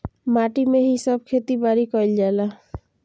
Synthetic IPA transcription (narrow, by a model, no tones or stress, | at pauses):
maʈimeɦisəb̚ʱkʰet̪ibaɾikɔild͡ʒala